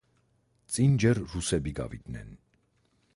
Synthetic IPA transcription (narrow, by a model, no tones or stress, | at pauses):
t͡sʼind͡ʒɛrrusɛbiɡɑ̰vḭt̪nɛ̰n